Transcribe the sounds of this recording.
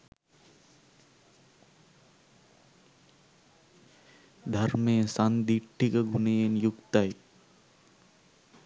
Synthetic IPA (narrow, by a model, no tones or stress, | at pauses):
d̪ʱɐɾmeːsand̪iʈʰːikɐɡunejenjukt̪ɐj